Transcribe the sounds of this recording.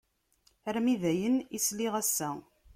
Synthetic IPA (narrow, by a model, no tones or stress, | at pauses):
ɾmiðæjənisliʁæsːæ